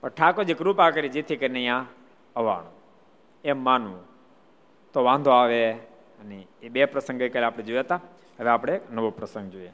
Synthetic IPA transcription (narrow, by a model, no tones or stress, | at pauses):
pəɽʈʰakod͡ʒikɾupakəɾid͡ʒit̪ʰikəinəjã | əʋa̰ɳ̃ũ | emːanũ | t̪oʋãnd̪ʱoaʋe | əneeɓepɾəsə̃ŋɡəkəlapɽ̃ed͡ʒojət̪a | ɦəʋeapɽ̃eknəʋopɾəsə̃ŋɡd͡ʒoije